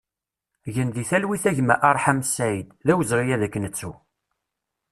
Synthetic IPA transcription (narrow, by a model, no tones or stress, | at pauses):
ʝənðiθælwiθæʝmæ̰ʔɑɾˤħæmsːæjd̪ðæwəzɾijæðækːənət͡sːu